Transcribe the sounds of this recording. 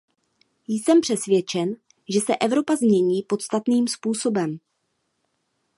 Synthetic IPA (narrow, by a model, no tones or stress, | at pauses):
jsɛmpr̥ɛsvjɛt͡ʃɛn | ʒɛsɛʔɛvɾo̞pazmɲɛɲiːpo̞t̪st̪at̪niːmspuːso̞bɛm